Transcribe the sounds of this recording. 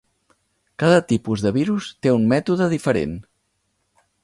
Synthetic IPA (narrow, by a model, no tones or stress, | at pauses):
kaðət̪ipuzðəβ̞iɾust̪eummɛt̪uðəðifəɾḛn